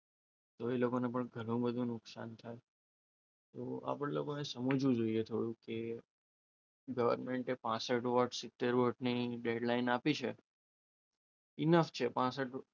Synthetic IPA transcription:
t̪oelokonepəɳɡʱəlũbəd̪ʱũnʊksa̰nt̪ʰaj | t̪oa̰pəɽlokonesəmud͡ʒʋũd͡ʒoiet̪ʰoɽũke | ɡəʋə̰ɾmeɳʈepãsəʈʋəʈsɪt̪ːeɾʋəʈniɖeɖlainapit͡ʃʰe | ɪnəft͡ʃʰepãsəʈ

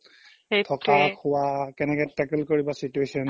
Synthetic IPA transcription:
tʰɔkakʰʊwakɛnɛkɛtɛkɛlkoɹibasituesɔn

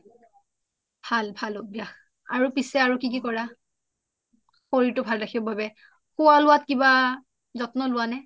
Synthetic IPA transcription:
b̥ʱalbʱalobjax | a̰ɹupisɛaɹukik̬ikɔɹa | xoɹitʊbʱalɹaxʰibɔbabɛ | xʊwalʊwatkiba | zɔtnɔlʊwanɛ

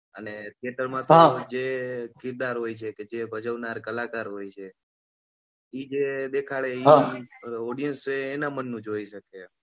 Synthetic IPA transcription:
əneʈieʈəɾmãt̪ãd͡ʒekɪɾd̪aɾɦojt͡ʃʰeked͡ʒebʱəd͡ʒəʋnaɾkəlakaɾɦojt͡ʃʰe | id͡ʒed̪ekʰaɭeiɦãɔɽijənst͡ʃeːnamənːũd͡ʒoiʃəke

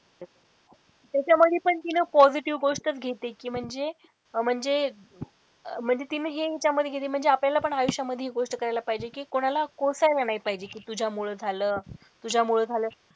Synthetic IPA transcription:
t̪jat͡ɕjaməd̪ʱjepəɳt̪inəpɔd͡ziʈiʋɡoʂʈət͡sɡʱet̪ekiːm̤əɳd͡ze | m̤əɳd͡ze | m̤əɳd͡zet̪inəɦeet͡ɕjaməd̪ʱːeɡʱet̪em̤əɳd͡zeapljalapəɳajuɕjaməd̪ʱːeɦeɡoʂʈəkəɾajlapaɦid͡ʑekiːkoɽ̃alakosajlanaipaɦid͡ʑekiːt̪ud͡ʑʱamuɭəd͡zʱaləː | t̪ud͡ʑʱamuɭəd͡zʱaləː

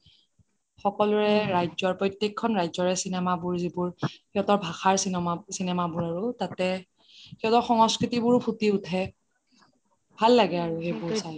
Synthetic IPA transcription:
xɔkɔlʊɹɛɹajzɔɹpɹɔjtjekʰːɔnɹajzɔɹɛsinɛmabʊɹzibʊɹkiɔtɔɹbʱaxaɹsisinɛmabʊɹaɹutatɛ | kiɔtɔɹxɔŋɔskɹitibʊɹpʰutiutʰɛ | bʱalːaɡɛaɹuxejbʊɹsaj

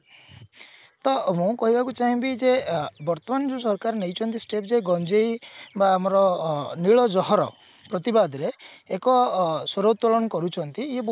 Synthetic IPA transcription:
t̪ɔmũkɔɦibakut͡ʃaɦĩbid͡ʒebɔɾt̪ɔmand͡ʒusɔɾkaɾnejt͡ʃʰɔnt̪isʈepd͡ʒeɡɔnd͡ʒejbaːmɔɾɔniɭɔd͡ʒɔɦɔɾɔ̰ | pɾɔt̪ibad̪ɔɾeː | kɔsɔɾot̪ɔlɔnɔkɔɾut͡ʃʰɔnt̪iːeb

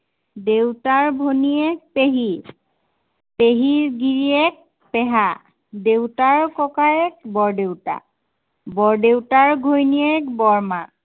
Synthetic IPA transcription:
dewtaɹbʱonijɛk̚peɦi | peɦiɹɡiɹiɛk̚ | pɛɦa | dewtaɹkɔkaɛk̚bɔɹdewta̰ | bɔɹdewtaɹɡʱojnijɛkbɔɹma

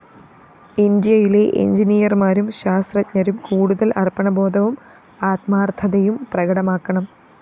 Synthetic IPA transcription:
ind̪ijɐjile̞ʔḛɲd͡ʑinijɐrmaːɾumɕaːst̪rɐɲɐɾumkuːɽuðɐlɐrpɐɳɐbo̞ːd̪ɐʋum | aːt̪̚maːrt̪ʰɐðɐjumprɐɣɐɽɐmaːkːɐɳɐm

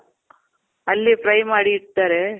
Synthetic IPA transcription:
ɐlːipɾɐjmaːɽiːʈt̪aːɾe

